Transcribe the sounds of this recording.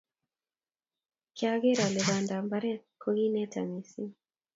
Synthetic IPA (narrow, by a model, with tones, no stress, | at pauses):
kja˦ɡe˦ɾa˨lɛ˨βa˨nda˨mba˦ɾɛ˦kʰo˦ɡi˦nɛ˦ta̰˨mi˨si˦